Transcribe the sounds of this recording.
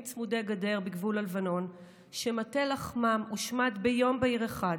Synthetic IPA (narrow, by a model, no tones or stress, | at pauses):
t͡smude̞ɡade̞ʁbiɡvulalvano̞n | ʃematelaχmamuʃmatbejo̞mbeiʁeχad